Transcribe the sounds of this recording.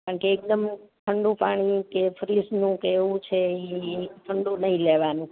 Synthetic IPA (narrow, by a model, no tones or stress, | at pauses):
aaɳkeːk̚d̪əmt̪ʰəɳɖũpaɽ̃ikefɾisnũkeːʋũt͡ʃʰeit̪ʰəɳɖũnəɦĩleʋanũ